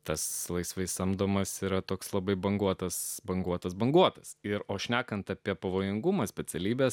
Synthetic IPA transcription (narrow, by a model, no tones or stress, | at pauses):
t̪ɐslˠɐɪsʋɐɪsɐmd̪oːmɐsiːɾɐt̪oːkslˠɐbɐɪbɐŋɡuɔt̪ɐsbɐŋɡuɔt̪ɐsbɐŋɡuɔt̪ɐsɪɾoːʃʲnʲæːkɐnt̪ɐpʲiɛpɐʋoːjɪŋɡʊmɐsʲpʲɛt͡s̪ʲɛlʲiːbʲɛːs